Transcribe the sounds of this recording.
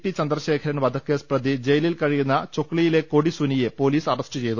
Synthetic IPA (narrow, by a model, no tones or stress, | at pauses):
pːit͡ɕɐnd̪rɐɕe̞ːkʰɐɾɐnʋɐd̪ʱɐkːesprɐd̪id͡ʑejɐlilkɐɻijunːɐt͡ɕo̞kːɭijile̞ko̞ɽisunijepo̞ːliːsɐrɐsʈɨt͡ɕe̞jt̪u